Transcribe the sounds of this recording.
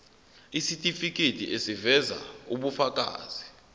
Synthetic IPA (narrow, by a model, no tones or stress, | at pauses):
isitʼifik̬ʼetʼiʔesivɛza̰uɓufak̬ʼa̰ːz̥i